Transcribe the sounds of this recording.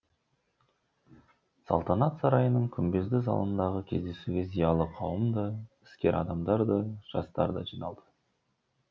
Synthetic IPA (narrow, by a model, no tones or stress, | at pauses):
sɑ̰lˠt̪ɑnɑt̪sɑɾɑjənəɴkʲʰʏmbe̞zd̪ɪzɑ̰lˠənd̪ɑʁəkʲʰe̞zd̪e̞suɡʲe̞zijɑlˠəqʰɑwəmd̪əɪ̥skʲe̞ɾʔɑ̰d̪ɑmd̪ɑɾd̪əʒ̥ɑ̰st̪ɑ̰ɾd̪ɑʒijnɑlˠd̪ə̥